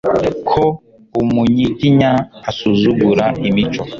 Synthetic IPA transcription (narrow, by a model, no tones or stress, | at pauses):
kʰo | umuɲitiɲaːsuzuɡuɾaʔimit͡ʃɔ